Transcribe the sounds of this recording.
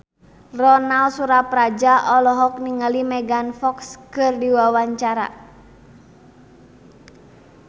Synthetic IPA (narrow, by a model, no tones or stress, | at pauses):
rɔnalsuɾaprad͡ʒaʔɔlɔɦɔk̚niŋalimɛɡanfɔkskɨrdiwawaɲt͡ʃaɾa̰